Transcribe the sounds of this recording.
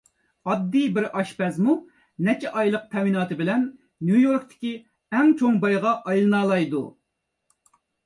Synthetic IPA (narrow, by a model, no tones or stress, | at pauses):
ɑd̪ːijbɪɾɑʃpɛzmu | nɛt͡ʃʰɛʔɑjlˠəq̚t̪ʰɛwinɑːt̪ʰɨbɪlɛnː | jujoɾk̚t̪ʰɪ̥kʲi | ɛŋt͡ʃʰoŋbɑjʁɑʔɑjlˠɨnɑːlˠɑjd̪ṵ